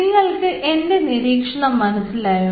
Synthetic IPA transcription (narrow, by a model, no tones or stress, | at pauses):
ŋːɐɭkɨʔe̞nde̞niɾiːkʂɐɳɐmːɐnɐsilaːju